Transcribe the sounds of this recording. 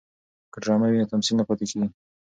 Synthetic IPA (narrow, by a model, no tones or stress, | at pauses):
kəɖɾɑmawinat̪amsilnapɑt̪ekeɡi